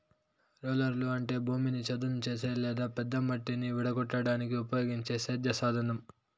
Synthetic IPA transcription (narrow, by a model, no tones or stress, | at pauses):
ɾoːlɐɾluɐɳʈe̞ːbʱuːminit͡ʃɐd̪unut͡ʃe̞ːseːlɛːd̪aːpɛd̪ːɐmɐʈːiniʋiɽɐɡɔʈːɐɽaːnik̬iupɐjo̞ːɡiɲt͡ʃeːseːd̪jɐsaːd̪ʱɐnɐm